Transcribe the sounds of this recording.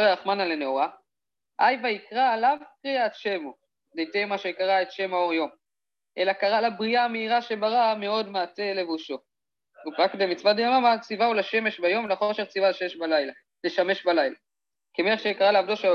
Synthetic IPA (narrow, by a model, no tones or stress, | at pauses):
ʁeaχmanaleneoʁa | ʔajvaikʁalavkʁiat̪ʃemo | dejt̪ejmaʃekaʁaet̪ʃe̞mao̞ʁjo̞m | ʔe̞lakaʁalabʁiameiʁaʃe̞baʁame̞o̞d̪meate̞le̞vuʃo̞ | upakdemit͡svadajomamat͡sivaulaʃe̞me̞ʃbajo̞mlaχoʃeʁt͡sivaleʃemeʃbalajla | leʃame̞ʃbalajla | kemeeχʃekaʁaleavd̪oʃeo